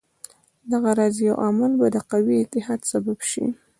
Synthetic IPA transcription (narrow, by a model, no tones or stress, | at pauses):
d̪aɣaɾɑzjawʔamalbad̪əqawiɪt̪ɪɦɑd̪sababʃḭ